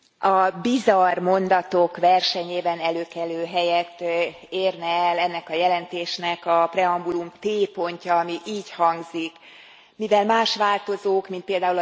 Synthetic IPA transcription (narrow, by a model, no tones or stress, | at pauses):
ɒbizɒrmo̞nd̪ɒt̪o̞kʋɛrʃɛɲeːbɛnɛløːkɛløːɦɛjɛt̪ː | eːrnɛɛlɛnːɛkɒjɛlɛnt̪eːʃnɛkɒprɛɒmbulumt̪eːpo̞ɲcɒːmiʔiːchɒŋɡzik | mivɛlmaːʃʋaːlt̪o̞zoːkmint̪peːld̪aːul